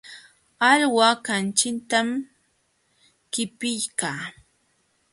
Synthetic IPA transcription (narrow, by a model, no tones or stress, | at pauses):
aʎwakant͡ʃɪnt̪am | kɪpɪjkaː